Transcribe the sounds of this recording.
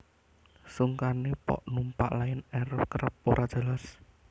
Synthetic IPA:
suŋkanepɔ̰ʔnumpa̰ʔlajɪnɛɾəp̚kɾəpːoɾʔḁʒ̥a̤las

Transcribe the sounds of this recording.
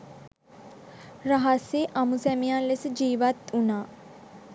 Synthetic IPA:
ɾəɦaseʔamusɛmijalesəd͡ʒiːʋat̪unaː

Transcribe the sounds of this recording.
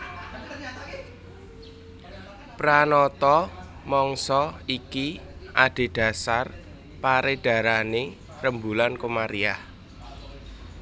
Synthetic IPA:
pɾanɔt̪ɔ | mɔŋsɔikiʔaɖ̥e̤ɖ̥a̤sar | paɾeɖ̥ä̤ɾane | rəmbulankomaɾiah

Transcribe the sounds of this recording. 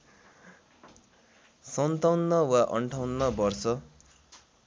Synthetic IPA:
sʌnt̪ʌwnːʌwaʔʌ̰ɳʈʰawnːʌbʌrsʌ

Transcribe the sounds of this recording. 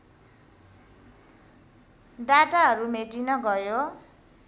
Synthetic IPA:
ɖaʈaɦʌɾumeʈinʌɡʌjo

